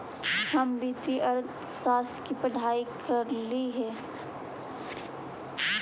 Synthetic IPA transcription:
hɐmbit̪ʰiʔɐɾd̪ | ʃaːst̪ʰjkipəɖʱaːikʰəɾliɦɛː

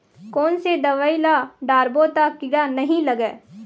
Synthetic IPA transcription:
kɔːnsed̪ɐʋaːilaɖaːɾbot̪akɪɽanɐɦĩlɐɡɛː

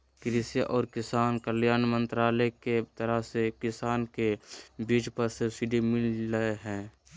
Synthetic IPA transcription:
kɾɪsjaʔɔːɾkɪsaːnkəljaːnmə̃nt̪ɾaːleket̪əɾəɦsekɪsaːnkebiːd͡ʒpəɾsesiɖimɪlːəeɦɛ̃ː

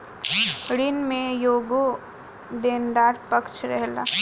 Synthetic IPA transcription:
ɽinmẽjoːɡo | d̪eːnd̪aːɾpɐkt͡ʃɾɛɦla̰ː

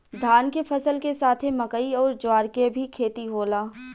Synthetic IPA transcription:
d̪ʱaːnkepʰɐsəlkesaːt̪ʰemɐkəiɔːɾd͡ʒʊaːɾkebʱikʰeːt̪iɦoːlaː

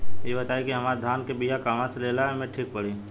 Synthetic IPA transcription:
ebət̪aːikiɦɐmaːɾd̪ʱaːnkebijakaːmãseleːlaɦɛmẽʈʰiːk̚pɐɽ̤i

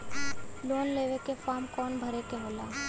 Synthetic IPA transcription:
loːnleːʋekefaːmkɔːnbʱəɾekeɦoːlaː

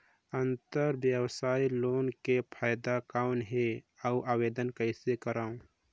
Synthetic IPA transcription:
ənt̪əɾbjəwsaːiloːnkepʰaːjd̪akaːʊnɦeauʔaːweːd̪ənkəɪsekəɾaːũ

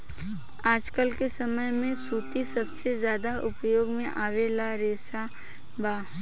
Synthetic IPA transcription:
aːd͡ʒkəlkesɐməjmẽsuːt̪isɐbsezjaːd̪aʔʊpjoːɡmẽʔaːʋelaɾeːsa | baː

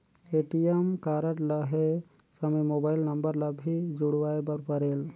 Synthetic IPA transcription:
eʈijemkaɾəʈləɦe | səmemobajilnəmbəɾlabʱid͡ʒuɽwaebəɾpəɾel

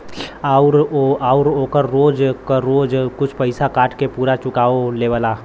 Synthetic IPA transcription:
aʊɾaːʊɾoːkəɾːoːd͡ʒkəːoːd͡ʒkʊt͡ʃʰpəɪsakaːʈʰkepuːɾat͡ʃʊkaːoleːʋəlaː

